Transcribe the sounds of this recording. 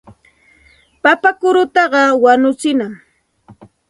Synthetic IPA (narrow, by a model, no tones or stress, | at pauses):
papakʊɾʊt̪ɑɢɑwanʊt͡sɪnaŋ